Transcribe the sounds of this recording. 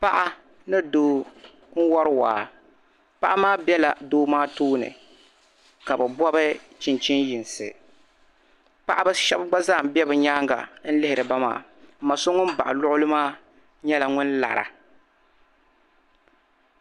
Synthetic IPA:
pa˦ʔa˦ | nɨ˦doː˦ | ŋ̩˦wɔ˦ɾɨ˦waː˨ | pa˦ʔa˦maː˦bɛ˦la̰˨doː˦maː˦toː˦nɨ̰˨ | ka˨bɨ˨bɔ˦bɨ˦ | t͡ʃɪ˨nt͡ʃɪ˦njɪ˨nsɨ̰˨ | pa˦ʔa˦bɨ˦ʃɛ˦bɡ͡ba˦zaː˦˨m̩˨bɛ˦bɨ˨ɲaː˦ŋɡa̰˨n̩˦lɪ˦hɪ˨ɾɨ˨ba˦ma̰ː˨ | m̩˨mːa˨so˦ŋʊ˦n˦ba˨ʔa˨lʊ˦ʔʊ˦lɨ˦maː˦ | ɲɛ˦la˨ŋʊ˦nla̰˨ɾa̰˨

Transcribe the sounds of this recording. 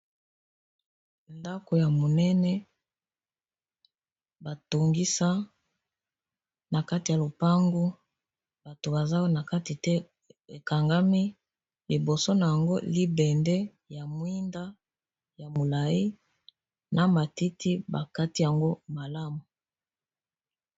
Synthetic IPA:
nda˦ko˨ja˨mo˨nɛ˦nɛ˦ | ba˨to˨ŋɡi˦sa˦ | na˨ka˦ti˨ja˨lo˨pa˦ŋɡo˦ | b̥a˨to˨ba˨za˦wna˨ka˦ti˨tɛ˦ | e˨ka˨ŋɡa˦mi˦ | li˨bo˨so˦na˨ja˨ŋɡo˦li˦bɛ˨ndɛ˦ | ja˨mwi˦nda˦ | ja˨mo˨la˨i˦ | na˨ma˨ti˦ti˦ba˨ka˦ti˦ja˨ŋɡo˦ma˨la˦mu˨

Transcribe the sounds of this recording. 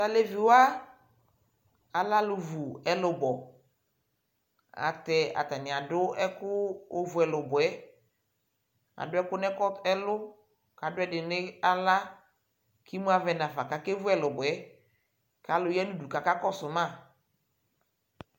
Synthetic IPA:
a˨le˨vi˨wa˦ | a˨la˦lʊ˨vu˨ɛ˦lʊ˨bɔ˨ | a̰˨t̪ɛ˨a̰˨t̪a˨nɪ̃˨a˨dʊ˦ɛ˦kʊ˦o˦vu˨ɛ˨lʊ˨bʊ˨ɛ˦ | a̰˨dʊ˦ɛ˦kʊ˦nɛ˦kɔ˦ɛ˦lʊ˦ | ka˨dʊ˦ɛ˦dɪ˨nɪ˦a˦la˦ | ki˦mũ˦a˦˨vɛ˨nã˨fa˨ka˨ke˦vʊ˦ɛ˨lʊ˨bʊ˨ɛ˦ | ka˨lʊ˨jɛ˦nu˦du˨ka˨ka˦kɔ˦sʊ˨mã˦˨

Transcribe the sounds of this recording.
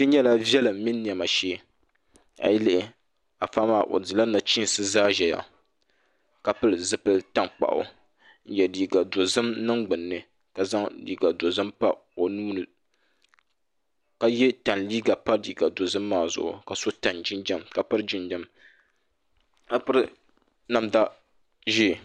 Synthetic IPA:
tɨ˦ɲɛ˦la˦vjɛ˦lɨ˨mi˦nː˦i˨ɛ˨ma˨ʃeː˦ | a̰˨ji˦lɨ˦ʔɪ˨ | a˨fa˦maː˦˨ʔo̰˨dɨ˨la˦na˨t͡ʃi˦n˨sɨ˦zaː˦ʒɛ˨ja̰˨ | ka˨pɨ˦lɨ˨zɨ˦pɨ˦lta˦ŋk͡pa̰˨ʔʊ̰˨ | n̩˦jɛ˨liː˨ɡa˨do˨zɨ˦mnɨ˦ŋɡ͡bɨ˨nːɨ˨ | ka˨za˦ŋlḭː˦ɡa˨do˨zɨ˦mpa˦o˨nuː˦nɨ˨ | ka˦jɛ˦ta˨nliː˦ɡa˨pa˦diː˨ɡa˨do˨zɨ˦mːaː˦˨zʊ̰˨ʔʊ̰˨ka˨so˦ta˨nd͡ʒɪ˦nd͡ʒa˦mka˨pɨ˦ɾd͡ʒɪ˦nd͡ʒa˦m | ka˨pɨ˦ɾɨ˦ | na˨mda˦ | ʒi˦˨

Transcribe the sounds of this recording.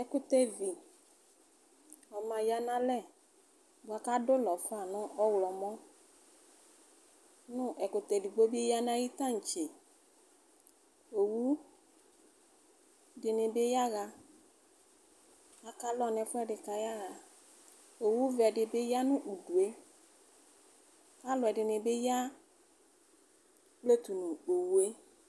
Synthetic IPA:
ɛ˨kʊ˨t̪ɛ˨vi˨ | ɔ˨mã˨ja˨nã˦lɛ˦˨ | bʊ˨a˨ka˦dʊ˦lɔ˨fʊ˦a˨nʊ̃˦ʔɔ˦wlɔ˨mɔ̃˦ | nʊ̃˦ʔɛ˨kʊ˨t̪ɛ˨vi˨ɡ͡bo˦bi˦e˦ja˦nã˦ji˦t̪ã˦˨ŋ̩˨t͡ʃe˨ | o˨wu˦ | dɪ˨nɪ̃˨be˦ja˦ɣa˨ | a˦ka˦lɔ˦nɛ̃˨fʊ˦ɛ˨ɖɪ˨ka˨ja˦ɣa˨ | o˨wu˦vɛ˨ɖɪ˨be˦ja˦nʊ̃˦ʔu˨ɖu˨e˦ | ka˦lʊ˨ɛ˨ɖɪ˨nɪ̃˨be˦ja˦ | k͡ple˦t̪u˨nũ˨k͡po˨wu˦e˦

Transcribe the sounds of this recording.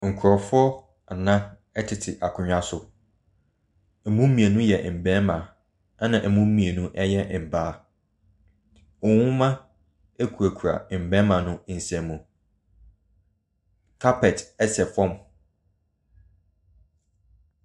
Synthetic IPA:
ŋ̩˨kʰʊ˨ɾɔ˨fʊ˦ɔ˦ | a˨nã˦ | ɛ˦tʰɪ˨tʰɪ˨ʔa˨kʰʊ̃˨ɲᶣa˦sʊ˨ | mũ˦mĩ˨e˨nũ˦jɛ˨m̩˨bɛ̃˦mã˨ | a˦nã˨ʔɛ˨mũ˦m̩˦mĩ˨e˨nũ˦ʔɛ˦jɛ˦m̩˨baː˦˨ | ɔ˨wʊ̃˦mã˦ | æ˦kʰu˨æ˨kʰu˨ɾa̰˨m̩˨bɛ̃˦mã˨nʊ̃˦n̩˨sæ̃˨mũ˨ | kʰa˦pʰɛ˨tɛ˦sɛ˨fɔ̃˦m

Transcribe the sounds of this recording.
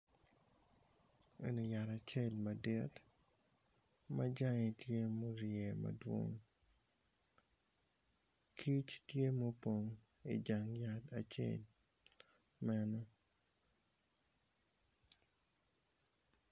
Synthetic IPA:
e˨no˨ja˨ɾa˨t͡ʃe˦lma˨de˦t | ma˦d͡ʒa˦ŋe˨tje˦mo˦ɾje˨mɐ̰dwo̰˦ŋ | kʰi˦t͡ʃtje˦mo˦po˨ŋ | i˨d͡ʒa˨ŋja˦ta˨t͡ʃḛ˦˨l | mɛ˦nɔ˦

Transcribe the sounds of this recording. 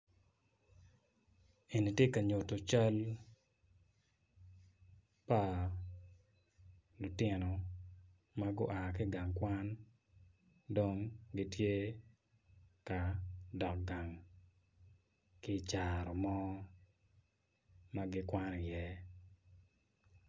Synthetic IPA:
e˨ni˨tje˦ka˨ɲo˨to˨t͡ʃa˦l | pa˦ | lʊ˨tjɪ˦no˨ | ma˦ɡʊ˦ʔa˨kɪ˦ɡa˨ŋkwa˦n | do˦ŋɡɪ˦tje˦ | ka˨dɔ˨k̚ɡa˨ŋ | kɪ˦t͡ʃa˨ɾɔ˨mɔ˦ | ma˦ɡɪ˦kwa˦ni˨jɛ˦

